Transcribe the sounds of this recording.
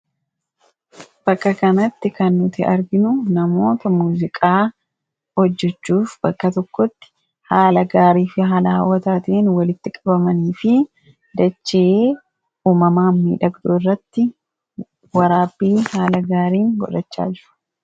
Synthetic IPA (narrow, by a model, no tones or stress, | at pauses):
b̥ɐkːɐkɐnɐt̪ːɪkɐnːʊt̪ɪɐɾɡɪnʊnɐmo̞ːt̪ɐmuːzɪkʼaː | hɔd͡ʒːɛt͡ʃːuːfb̥ɐkːɐt̪ɔkːɔt̪ːɪ̥ | haːlɐɡaːɾiːfɪɦɐlaːwːɐt̪aːt̪eːnwɐlɪt̪ːɪkʼɐbɐmɐniːfɪ | d̪ɐt͡ʃːɪeː | uːmɐmaːnmḭːᶑɐɡd̪oːrːɐt̪ːɪ | wɐɾaːbiːhaːlɐɡaːɾiːŋɡɔ̰ᶑɐt͡ʃːa̰ːd͡ʒɪɾɐ̥